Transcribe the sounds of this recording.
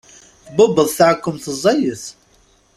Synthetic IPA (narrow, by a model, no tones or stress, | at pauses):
θbʊbəðˤθʕəkːəmθəzˤːɑjəθ